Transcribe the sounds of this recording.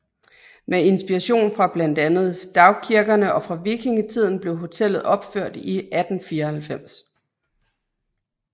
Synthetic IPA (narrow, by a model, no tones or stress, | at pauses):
mee̝nsb̥iʁɑɕo̝̰ːnfʁɑ̈b̥læn̰d̥ænð̞̩ˠsd̥ɑ̈ʊkʰiɐɡ̥ɐnəʔɒ̽fʁɑ̈ʋikʰiŋət͡sʰið̰ˠn̩b̥le̝ʊɦo̝t͡sʰel̰ð̩ˠɒ̽b̥føɐ̰d̥iʔæd̥n̩fiːɐhælfem̰s